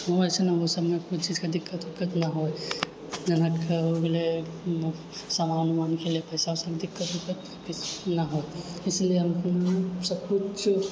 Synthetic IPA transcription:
ɦoəsenaʋosəbmekut͡ʃid͡ʒkad̪ɪkːət̪ɦokət̪naɦoe | d͡ʒɐnakeoɡle | samanumankeliepəɪsaosəkd̪ɪkːət̪ɦokət̪ | kit͡ʃnaɦojɪslijeəm | səkut͡ʃ

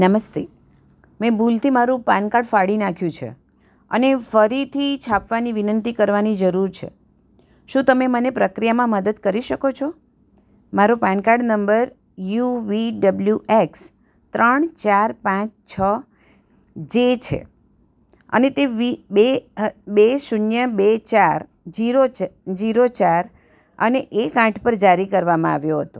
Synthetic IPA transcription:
nəməst̪e | mɛ̃bult̪ʰimaɾũpãnkaɖfaɽinakʰjũt͡ʃʰḛ | ə̰nefəɾit̪ʰit͡ʃʰapʋaniʋinənt̪ikəɾʋanid͡ʒəɾuɾt͡ʃʰḛ | ʃũt̪əmemənepɾəkɾijamãməd̪əd̪kəɾiʃəkot͡ʃʰo | maɾopãnkaɖnəmbəɾ | juʋiɖəbljuʔeks | t̪ɾəɳt͡ʃaɾpãt͡ʃt͡ʃʰə | d͡ʒet͡ʃʰḛ | ə̰net̪eʋibebeʃunjəbet͡ʃaɾ | d͡ʒiɾod͡ʒiɾot͡ʃaɾ | əneʔekãʈʰpəɾd͡ʒaɾikəɾʋamãa̰ʋjoɦət̪o

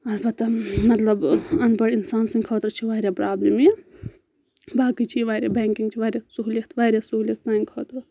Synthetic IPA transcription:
ɐlbɐt̪ːɐmɐt̪lɐbɐnbɐɽinsaːnsĩŋkʰɐːt̪ɾt͡ʃʰiʋaːɾʲjapɾaːblimje | baːkit͡ʃʰiʋaːɾʲjaːbeːŋkiŋɡt͡ʃʰiʋaːɾʲjasuɦulikt̪ʰʋaːɾʲjasuulikt̪saːinkʰɐːt̪ɾ

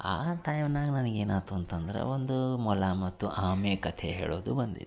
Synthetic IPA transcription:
a̰ːt̪aːjɐnaːɡnɐnɐɡeːnaːt̪uɐnt̪ɐnd̪ɐɾḛʋond̪umɔlamɐt̪ːuʔaːmeːkɐt̪ʰeɦeːɭoːd̪ubɐnd̪ḭd̪e

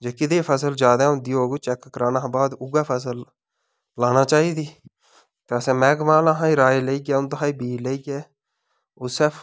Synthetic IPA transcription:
d͡ʒeːkɪd̪eːpʰəsəld͡ʒaːd̪aːʊnd̪ioːɡt͡ʃɛkːɾaːnaːbaːd̪ʊɡaːpʰəs̬əl | laːnaːt͡ʃaːiːd̪iː | t̪esɛ̃ːmɛːɡmãːlãːɦãːiɾaːeleiːɡɛːʊnt̪əɦaːiːbiːleiɡeː | oːsəpʰ

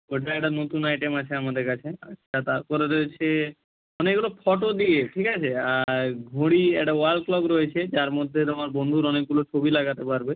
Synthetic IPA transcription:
oʈaɛk̚ʈanot̪unajʈemat͡ɕʰeamad̪eɾkat͡ɕʰea̰at̪aɾkoɾed̪et͡ɕʰe | ɔnekɡulopʰɔʈod̪ieʈʰikat͡ɕʰeaɡʱoɽiɛ̰k̚ʈaoalklɔkɾoet͡ɕʰed͡ʑaɾmod̪ʱːet̪omaɾbond̪ʱuɾɔnek̚ɡulot͡ɕʰobilaɡat̪epaɾbe

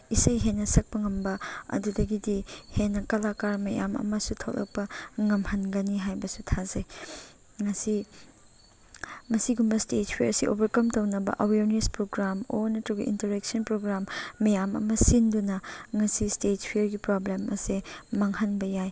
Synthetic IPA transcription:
isɐjɦenːɐsɐk̚pɐŋɐmbɐɐ̰dudɐɡidihenːɐkɐlakaɾmɐja̰mɐ̰mɐsutʰok̚lʔɐ̰k̚pɐŋɐmhɐnɡɐniɦajbɐsutʰazɐj | ŋɐsi | mɐsiɡumbɐstetpʰieɾsiʔo̰bɐɾkɐmtownɐbɐ̰ʔɐweɾnespɾoɡɾamo̰nɐtuɡɐʔḭntɐɾeksɐnpɾoɡɾamːɐjamɐ̰mɐsindunɐŋɐsistetpʰijeɾɡipɾoblemɐ̰semɐŋhɐnbɐjaj

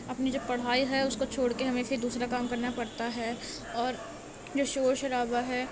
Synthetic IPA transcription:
ɐpnid͡ʒoːpɐɽ̤aːiɦɛʊskot͡ʃʰoːɽkeɦɐmẽfʰɪɾd̪uːsɾakaːmkɐɾnapɐɽt̪aɦɛ | ɔːɾ | d͡ʒoːʃoːɾʃɐɾaːbaɦɛː

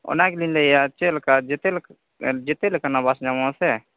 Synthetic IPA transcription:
o̰naklinleijat͡ʃelkad͡ʒet̪el | d͡ʒet̪elekanabasd͡ʒamãse

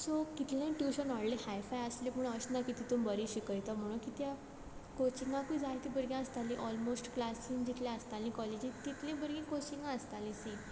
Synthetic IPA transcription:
sokit̪lẽʈuɕənɔɽlẽhajfajəsleməɳəɕnakit̪it̪umbəɾiɕikəjt̪am̤əɽ̃ũkit̪ja | kot͡ɕiŋɡãkud͡zat̪ibəɾɡẽəst̪alĩʔɔlmosʈklasĩŋd͡ʑit̪ljẽəst̪alĩkɔled͡ʑĩt̪it̪lẽbəɾɡẽkot͡ɕiŋɡãəst̪alĩsẽ

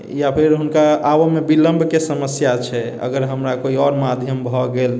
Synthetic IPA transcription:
japʰiɾɦunkaawomebiləmbʱkesəməsjat͡ʃʰɛ | ə̰ɡəɾɦəmɾakoiɔɾmad̪ʱjəmbʱɔɡel

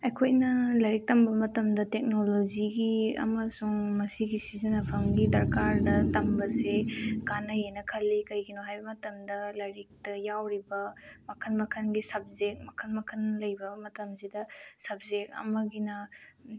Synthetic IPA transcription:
ɐjkʰojnɐlɐɾik̚tɐmbɐmɐtɐmdɐtek̚nolod͡ʒiɡiɐ̰mɐsuŋmɐsiɡisizinɐpʰɐmɡidɐɾkaɾdɐtɐmbɐsekanɐjenɐkʰɐlːikɐjɡinɔɦajbɐmɐtɐmdɐlɐɾik̚tɐjawɾibɐmɐkʰɐlmɐkʰɐnɡisɐb̚zek̚mɐkʰɐlmɐkʰɐnlɐjbɐmɐtɐmzidɐsɐbzek̚ɐ̰mɐɡinɐ

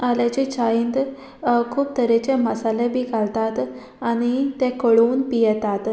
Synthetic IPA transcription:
alat͡ɕit͡ɕajint̪ | kʰuːp̚t̪əɾet͡ɕeməsalebʱikalt̪at̪ | aɽ̃it̪ɛ̃kəɭuːnpijɛt̪at̪

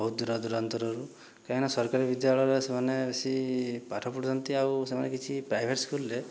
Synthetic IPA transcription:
ɔɦud̪uɾɔd̪uɾant̪ɔɾɔɾu | kainasɔɾkaɾibid̪jaɭɔjɾesemanebesipaʈʰɔpuɽd͡ʒɔnt̪iawsemanekit͡ʃʰipɾajbʱeʈskulɾe

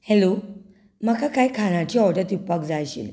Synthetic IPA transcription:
hɛlo | makʰakajkʰanatʰiɔtat̪upak̚zajɕḭl

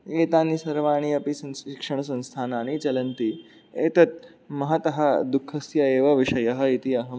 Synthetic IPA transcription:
eːt̪aːnisɐɾʋaːɳ̃iɐpisɐnikʂɐɳ̃ɐsɐ̃nst̪ʰaːnaːñit͡ʃɐlɐnt̪i | eːt̪ɐt̪̚ | mɐɦɐt̪ɐɦɐd̪ukʰːɐsjɐeːʋɐʋiʂɐjɐɦɐ̆it̪iɐɦɐ

